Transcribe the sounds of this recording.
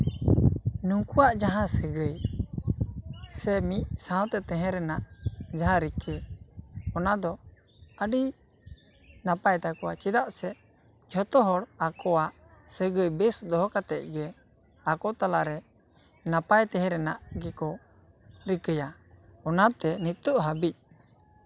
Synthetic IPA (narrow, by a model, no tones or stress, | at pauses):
nuŋkuwaʔd͡ʒaɦãsəɡəj | sɛmic̚sãw̃t̪ɛt̪ɛ̃ɦɛ̃ɾɛnaʔd͡ʒaɦãɾikə | ɔnad̪ɔ | əɖi | napajt̪akɔwat͡ʃid̪aʔsɛ | d͡ʒʰʱɔt̪ɔɦɔɽakɔwaʔ | səɡəjbɛsd̪ɔɦɔkat̪ɛc̪̚ɡɛ | akɔt̪alaʔɾɛ | napajt̪ɛ̃ɦɛ̃ɾɛnaʔɡɛkɔ | ɾikəjaɔnat̪ɛnit̪ɔʔɦabic̚